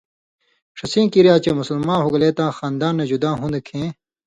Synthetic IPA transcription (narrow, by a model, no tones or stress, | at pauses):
ʂɐsĩːkiɾjaːt͡ɕeːmusɐlmãːnɦuɡleːt̪ãːxaːnd̪aːnːɐd͡ʑud̪ãːɦũːnd̪ekʰẽː